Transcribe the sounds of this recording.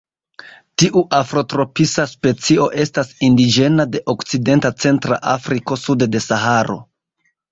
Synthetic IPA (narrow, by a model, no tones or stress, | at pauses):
tiʔuʔafɾo̞tɾo̞pisaspe̞t͡sio̞ʔe̞stasindid͡ʒe̞nade̞ʔo̞kt͡side̞ntat͡se̞ntɾa̰ʔafɾiko̞sudde̞sahaɾo̞̰